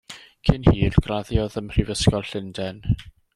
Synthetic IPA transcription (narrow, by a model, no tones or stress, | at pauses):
kʰɪnhiːrɡ̥raðjɔðəmr̥ivəskɔlˠɬɪndɛn